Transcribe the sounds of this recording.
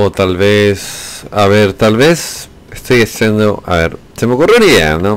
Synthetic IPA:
ot̪alβesaβeɾt̪alβes | est̪ʰojasend̪oa̰βḛɾt̪emokuroɾia̰no

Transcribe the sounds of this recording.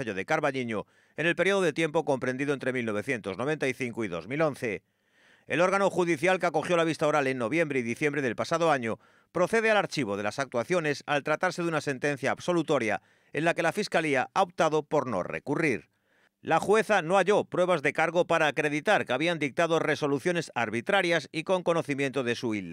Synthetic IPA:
aʎoðe̞kaɾβaʎiɲo | e̞ne̞lpeɾjo̞ðoð̞e̞t̪je̞mpo̞ko̞mpɾend̪iðoent̪ɾe̞milno̞β̞e̞θje̞nt̪o̞znoe̞nt̪aiθiŋkoiðo̞̰zmilõ̞n̟θe | e̞̰lo̞ɾɣano̞xuðiθjalkeako̞xjo̞laβ̞ist̪aoɾale̞nːo̞β̞je̞mbɾeiðiθjẽmbɾe̞ðe̞lpasaðo̞aɲo | pɾo̞θe̞ð̞ealaɾt͡ʃiβo̞ð̞e̞lasak̚t̪waθjo̞ne̞salt̪ɾat̪aɾse̞ðunase̞nt̪e̞n̟θjaːbso̞lut̪o̞ɾja̰ | e̞nlake̞lafiskaliaʔaop̚t̪aðo̞po̞ɾno̞̰rḛkuriɾ | laxwe̞θano̞aʝo̞pɾwe̞β̞azðe̞kaɾɣo̞paɾaːkɾe̞ðit̪aɾkeaβiand̪ik̚t̪að̞o̞re̞so̞luθjo̞ne̞saɾβit̪ɾaɾjasiko̞ŋko̞no̞θimjent̪oð̞e̞suil

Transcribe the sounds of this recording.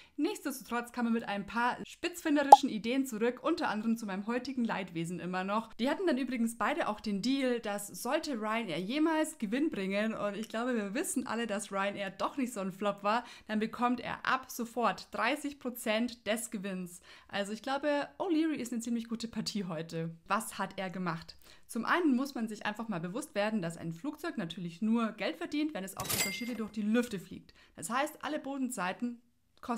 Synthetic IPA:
nɪçt͡sd̥ɛstu̥tʁ̥ɔt͡skʰaːməmɪtʔa̰ɪnəmpʰaːɐʃpɪt͡sfɪndəʁɪʃn̩ideːənt͡suʁʏkʔʊntɐʔa̰ndəʁəmt͡sumaɪnəmɦɔʏtɪɡŋ̩la̰ɪtv̥eːzn̩ʔɪmɐnɔχd̥iːhatn̩danʔyːbʁɪɡn̩sb̥aɪɾəʔa̰ʊxd̥eːndiːld̥asz̥ɔltəʁaɪneːɐjeːmaːlsɡ̥əvɪnbʁɪŋənʊ̰ntɪçɡ̥laʊbəviːɐvɪsn̩ʔa̰lədasʁaɪnʔeːɐd̥ɔχnɪçtz̥oːnflɔpv̥aːɐd̥anbəkʰɔmtʔḛːɐʔa̰pz̥ofɔɐtd̥ʁaɪsɪçpʁ̥ot͡sɛntd̥ɛsɡ̥əvɪnsʔa̰lzoɪçɡ̥laʊbəʔoliʁiɪstnət͡siːmlɪçɡ̥uːtəpʰaɐtʰiːɦɔʏtəvashatʔeːɐɡəmaχt | t͡sʊmʔa̰ɪnənmʊsmanzɪçʔa̰ɪnfaχmaːlbəvʊstv̥eːɐdn̩d̥asa̰ɪnfluːk̚t͡sɔʏknatʰyːɐlɪçnuːɐɡɛltfɛɐdiːntvɛnɛsa̰ʊxʔʊntɐʃiːdədʊɐçd̥iːlʏftəflḭːk̚td̥ashaɪstʔa̰ləboːdn̩t͡saɪtn̩ | kʰɔ

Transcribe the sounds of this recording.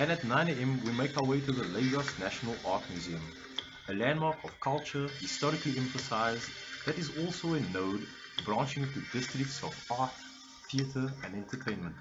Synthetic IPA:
ɨ̃nətnãɪ̃neɪɛ̃mwimeɪkaʊəweɪtuðəleɪɡəsnæʃənəlˠɑˑtmjʉziə̃m | əlæ̃ndmɑːkʰɔv̥kʰalˠt͡ʃəhɪstɔɹɪkliɛ̃ɱfəsaɪzðætɪzɔlˠsoʊɪ̃nːoʊd | bɹɑ̃nt͡ʃɪ̃ŋtudɪstɹɪk̚tsɔvɑɹt | θiətʰəə̃nɛ̃ntʰətʰẽɪ̃nmə̃nt

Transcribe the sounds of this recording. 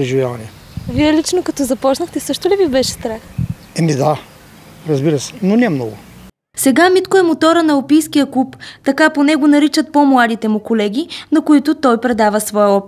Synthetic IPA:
ɾɛʒivʲjavɐnɛ | viɛlit͡ʃnokɐt̪ɔzɐpɔt͡ʃnəxt̪ɛsɤʃt̪ʊlivibɛʃɛ̥st̪ɾax | ɛmid̪a | ɾɐzbiɾəsɛ̥nonɛmnɔɡʊ̰ | sɛɡamit̪koɛmot̪ɔɾənɐopijsk̟ijəklˠupt̪ɐkaponɛɡonɐɾit͡ʃət̪̚pomlˠad̪it̪ɛmʊkolɛɡ̟ʲinɐkʊit̪ʊt̪ɔjpɾɛd̪avəsvɔjəɔpi

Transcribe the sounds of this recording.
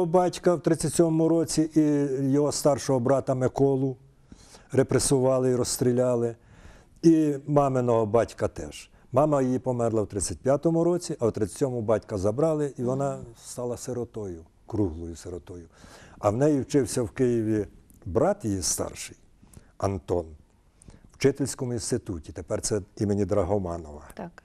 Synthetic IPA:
ɔbɑtʲkɐwt̪ɾɪt͡sʲːɐt͡sʲɔmɔmʊɾɔt͡sʲiʔijɔɦɔst̪ɑrʃɔɦɔbɾɑt̪ɐmekɔlˠʊ | ɾepɾesʊʋɑlˠɪiɾɔst̪ɾʲilʲɑlˠɪ | imɑmenɔɦɔbɑtʲkɐt̪ɛ̰ʒ̥ | mɑmɐjjipɔmɛrlˠɐwt̪ɾɪt͡sʲːɐt̚ʲpʲjat̪ɔmʊɾɔt͡sʲiʔɐwt̪ɾɪt͡sʲːɐ̥tʲɔmʊbɑtʲkɐzɐbɾɑlˠɪʔiʋɔnɑst̪ɑlˠɐseɾɔt̪ɔjʊ | kɾuɦlˠɔjʊseɾɔt̪ɔjʊɐwnɛjiwt͡ʃɪwsʲɐwkɪjiʋʲibɾɑt̪jijist̪ɑ̰rʃɪj | ɐnt̪ɔn | wt͡ʃɪt̪elʲsʲkɔmʊinst̪ɪt̪utʲit̪epɛrsɛimenʲid̪ɾɐɦɔmɑnɔʋɐk

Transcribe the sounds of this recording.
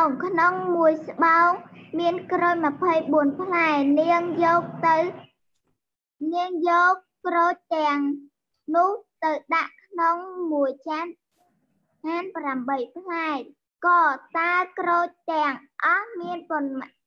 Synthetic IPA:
oŋkʰnoŋmuəjsɓaɔŋmiənkroːɲmə̆pʰəjɓuənpʰlaɛniəŋjɔːk̚t̪ɨw | niəŋjɔːk̚ːroːc̚t̪ɛ̆əŋ | nʊ̆əht̪ɨwɗaʔkʰnoŋmuəjt͡ɕan̚ | ʔaːnpramɓəjpʰlaɛt̚ | kɑːt̪aəkroːc̚t̪ɛ̆əŋʔɑhmiənponm

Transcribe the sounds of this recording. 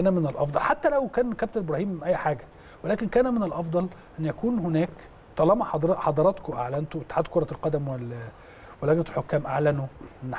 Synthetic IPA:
ænæmenelʔɑ̰fd̪ˤɑlħat̪ːælæwkæːnkæb̚t̪eɾbɾɑhiːmːʔæjːħaːɡæ | welæːkenkæːnæmenelʔɑfd̪ˤɑlʔænːjækuːnhonæːk | t̪ˤɑlɑmɑħɑd̪ɾɑħɑd̪ˤɑɾˤɑt̪koʔa̰ʕlænt̪owet̪ːħaːd̪koɾˤɑlqɑd̪æmwel | welæɡnælħokːæːmʔaʕlænoʔʔenː

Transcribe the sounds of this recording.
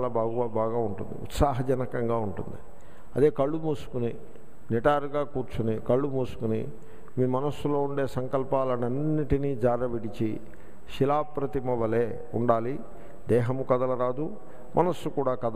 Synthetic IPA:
lɐbaːɡuʋabaːɡaːuɳʈund̪ḭṵt̪saːɦɐd͡ʒɐnɐkɐŋɡaːuɳʈund̪i | ɐd̪eːkɐɭːumuːsu̥kuni | niʈaːɾuɡaːkuːɾt͡ʃunikɐɭːumuːsu̥kunḭ | miːmɐnɐsːulo̞ːuɳɖe̞ːsɐŋkɐlpaːlɐnɐnːiʈiniːd͡ʒaːɾɐʋiɽit͡ʃi | ʃilaːpɾɐt̪imɐʋɐleː | uɳɖaːli | d̪ɛːɦɐmukɐd̪ɐlɐɾaːd̪u | mʔɐnɐsːukuːɽaːkɐd̪

